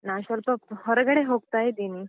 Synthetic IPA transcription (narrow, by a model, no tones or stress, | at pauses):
naɕəlpəɦəɾɡəɽeɦoɡt̪ajed̪ini